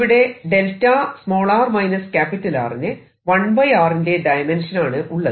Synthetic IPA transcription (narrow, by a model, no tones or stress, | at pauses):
ʋiɽe̞ɖe̞ltːɐsmo̞ːɭaːrmɐjnɐskaːpitːɐla̰ːrine | ʋɐɳbɐjaːrinde̞ɖɐjmenʂɐnaːɳɨʔuɭːɐðɨ